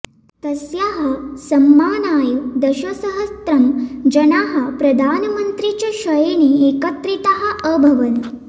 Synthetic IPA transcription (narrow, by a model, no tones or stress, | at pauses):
t̪ɐsjaɦɐsɐmːaːnaːjud̪ɐɕɐsəɦɐst̪ɾɐmd͡ʑɐnaɦɐpɾɐd̪ʱaːnmənt̪ɾit͡ɕaɕɐjeneekət̪ɾit̪aɦɐəbʱɐʋən